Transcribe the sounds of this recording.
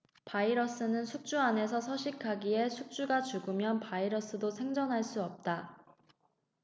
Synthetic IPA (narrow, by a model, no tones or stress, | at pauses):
paiɾʌs͈ɯnɯnsʰuk̚t͡ɕ͈uane̞sʰʌsʰʌɕʰikʰaɡie̞sʰuk̚t͡ɕ͈uɡat͡ɕuɡɯmjʌnpaiɾʌs͈ɯdosʰe̞ŋd͡ʑʌŋɦaɭs͈uʌp̚t͈a